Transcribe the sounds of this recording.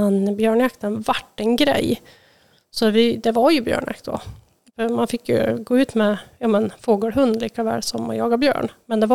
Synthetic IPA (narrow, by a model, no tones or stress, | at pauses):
ɛnbjøːɳjakt̪ənvaʈːɛnɡɾɛ̰j | sɔvɪd̪ɛvaɾjɵbjœ̰ːɳja̰kt̪d̪ɔ̰ | fœɾmanfɪkːjɵ̰ɡoːʉ̟ːt̪mɛjɑːmɛnfoːɡəːɾɦɵnd̪liːkavɛ̰ːlsɔma̰jɑːɡabjœ̰ːɳmɛnd̪ɛva